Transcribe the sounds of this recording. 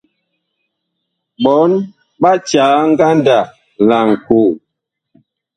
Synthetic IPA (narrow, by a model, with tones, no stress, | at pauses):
ɓɔ˨˦n | ɓa˦t͡ʃaː˨˦ŋ̩˦ɡa˦nda˨ | la˨ŋ˨ku˨